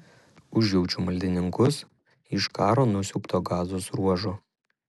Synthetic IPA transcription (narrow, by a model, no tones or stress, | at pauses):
ʊʒʲjɛʊt͡ʃʲumɐlʲd̪ʲɪnʲɪŋkʊs | ɪʃkɑːɾoːnʊsʲʊːpt̪oːɡɑːzoːsɾuɔʒo